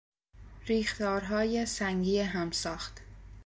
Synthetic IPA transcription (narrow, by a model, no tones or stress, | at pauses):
ɾiːxt̪ɒːɾɦɒːjesæŋɡiːeɦæmsɒːxt̪